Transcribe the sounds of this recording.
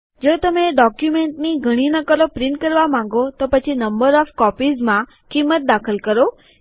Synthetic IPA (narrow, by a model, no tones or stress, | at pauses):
d͡ʒot̪əmeɖɔkjumeɳʈniɡʱəɽ̃inəkəlopɾɪ̃ɳʈkəɾʋamãŋ̆ɡot̪opət͡ʃʰinəmbəɾɔfkɔpizmã | kimːət̪̚d̪akʰəlkəɾo